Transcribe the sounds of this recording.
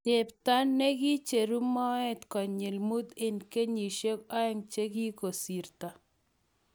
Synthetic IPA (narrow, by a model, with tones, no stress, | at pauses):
te˨pt̪a˦nnːe˦ɡi˦t͡ʃe˨ɾu˦mɔ˦ɛ˦t̪kɔ˨ɲe˨lmu˦d̪e˨nke˦ɲi˨ʃe˦kɔ˦ɛ˦ŋt͡ʃe˦ɡi˦ko˨si˨ɾt̪a˨